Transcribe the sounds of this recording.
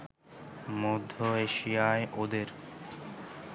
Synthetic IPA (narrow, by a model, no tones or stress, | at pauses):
mod̪ʱːoeʃijaeʔod̪eɾ